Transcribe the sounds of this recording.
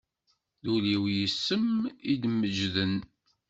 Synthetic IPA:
ðuliwjəsːəmid̪məd͡ʒðən

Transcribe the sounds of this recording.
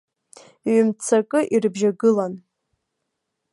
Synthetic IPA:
ɥmt͡sʰakʼɨʔirbʒaɡɨlan

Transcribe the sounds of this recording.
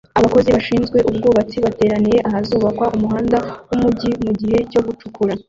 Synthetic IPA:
aβako̞ziβaʃiːnzɡwe̞ʔub̚ɡuːβat͡siβate̞ːɾaniɾe̞ʔahazuːβakwaʔumuɦaːndawumuɟimuɟiɦe̞co̞ɡut͡ʃukʰuɾa

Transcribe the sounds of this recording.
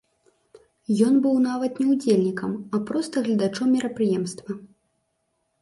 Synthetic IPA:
jɔnbɨwnavɐt̪nʲɛwd͡zʲelʲnʲikɐmɐpɾɔst̪ɐɣlʲɐd̪at͡ʂɔmːʲiɾɐpɾɨjɛmst̪vɐ

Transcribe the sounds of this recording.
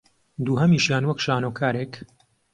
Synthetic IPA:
d̪uːɦɐmiːʃjaːnwɐkʃaːnokʰaːɾeːk

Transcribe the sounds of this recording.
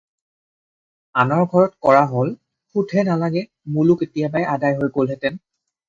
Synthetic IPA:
anɔɹɡʱɔɹɔtkɔɹaɦol | xudʱʰɛnalaɡɛ | muluketijabajʔadajɦojɡolɦɛtɛn

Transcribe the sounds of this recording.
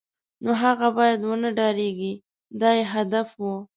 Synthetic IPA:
noɦaɣabɑjad̪wənəɖɑɾeɡi | d̪ɑjeɦad̪afwə

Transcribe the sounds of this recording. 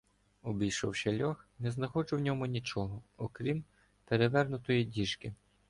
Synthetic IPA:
ɔbʲijʃɔwʃɐlʲɔxnɛznɐxɔd͡ʒʊwnʲɔmʊnʲit͡ʃɔɦɔɔkɾʲim | peɾeʋɛrnʊt̪ɔjidʲiʃkɪ

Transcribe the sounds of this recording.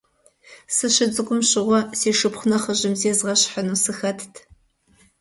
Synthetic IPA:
sɨɕɪd͡zʼɨɡʷʼʊmɕɪʁʷɔseːʃɨpχʷʊnɐχəʑɪmzeːzʁɐɕħənuːsɨxɐtʰtʰ

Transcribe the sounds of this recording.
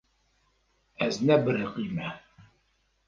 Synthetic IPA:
æznæbəɾəqimæ

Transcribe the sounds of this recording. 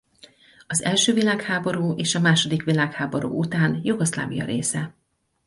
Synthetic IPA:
ɒzɛlʃøːvilaːkhaːbo̞ɾuːʔeːʃɒmaːʃo̞d̪ikʋilaːkhaːbo̞ɾṵːut̪aːnjuɡosla̰ːvijɒ̰ɾeːsɛ

